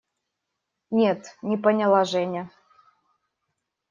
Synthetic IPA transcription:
nʲet̪nʲɪpənʲɪlˠaʐɛnʲɪə

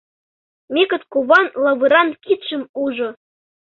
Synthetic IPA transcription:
mʲekɤ̆t̪kuβɑnlˠɑβɯɾɑnkit̪ʃɘ̆muʒɤ̆

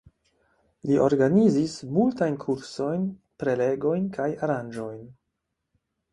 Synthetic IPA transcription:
liʔoɾɡanizismultajnkʰuɾso̞jn | pɾe̞le̞ɡo̞jnkʰajaɾand͡ʒo̞jn

